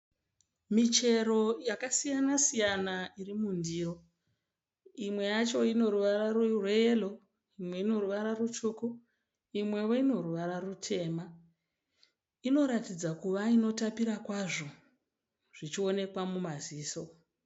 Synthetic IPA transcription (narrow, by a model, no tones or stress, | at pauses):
mit͡ʃe̞ɾo̞jakasijanasijanairimundiro̞ | imwe̞jat͡ʃo̞ino̞ɾuʋaɾarurwejelo̞ | imwe̞ino̞ruʋaɾarut͡ʃuːku | imwe̞ʋoino̞ruʋaɾarutʰe̞ːma | ino̞ɾatid͡zakuʋaino̞tapiɾakwaʐo̞ | ʐ̥it͡ʃio̞ne̞kwamumaziːso̞